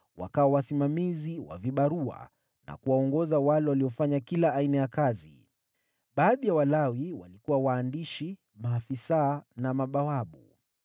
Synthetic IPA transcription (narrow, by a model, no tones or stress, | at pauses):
wa̰kawɔwasimamiziwa̰viɓaɾua̰ | na̰kuwaɔŋɡɔzawalɛwaliɔfaɲakilaːinajakazḭ | ɓaːðijawalawiwa̰likuwawaːndiʃi | maːfisanamaɓawaɓu